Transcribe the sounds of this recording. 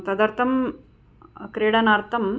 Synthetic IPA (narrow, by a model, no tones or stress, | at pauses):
t̪ɐd̪ɐɾt̪ʰɐm | kɾeːɽɐnaːɾt̪ʰɐm